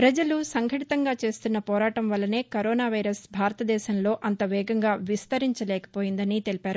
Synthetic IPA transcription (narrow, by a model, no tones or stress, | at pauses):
pɾɐd͡ʒɐlusɐŋɡʱɐʈit̪ɐŋɡaːt͡ʃe̞ːst̪unːɐpɔːɾaːʈɐmʋɐlːɐne̞ːkɐɾoːnaːʋɐjɾɐsbʱaːɾɐt̪ɐd̪ɛːʃɐmlo̞ːʔɐnt̪ɐʋɛːɡɐŋɡaːʋist̪ɐɾiɲt͡ʃɐlɛːkɐ̥poːjind̪ɐnit̪e̞lipaːɾu